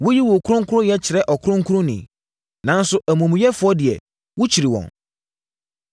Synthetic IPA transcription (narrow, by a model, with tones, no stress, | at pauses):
wʊ˦ji˦wʊ˨kʰʊ˦ɾʊ̃˦ŋkʰʊ˦ɾʊ̃˦jɛ˦t͡ɕʰɪ˨ɾɛ˦ʔɔ˨kʰʊ˦ɾʊ̃˦ŋkʰu˦ɾʊ̃˦nɪ̰̃˨ | nã˦n̩˦sʊ˦ʔæ˨mũ˨mũ˨˦jɛ˦fʊ˨˦ɔ˦dɪ˨ɛ̰˨ | wʊ˦t͡ɕʰi˨ɾi˨wɔ̰̃˨n